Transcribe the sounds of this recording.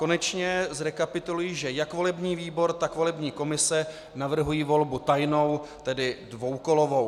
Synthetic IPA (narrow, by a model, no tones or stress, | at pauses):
ko̞nɛt͡ʃɲɛzɾɛkapɪt̪ulujiːʒɛjakvo̞lɛbɲiːviːbo̞ɾt̪akvo̞lɛbɲiːko̞mɪsɛ | navr̩ɦujiːvo̞lbut̪ajno̞wt̪ɛdɪdvo̞wko̞lo̞vo̞w